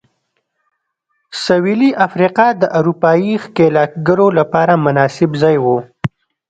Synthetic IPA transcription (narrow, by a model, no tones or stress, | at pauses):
sawiliʔafɾiqɑd̪əʔaɾupɑjixkelɑk̚ɡəɾolapɑːɾamʊnɑsɪbzɑːjwo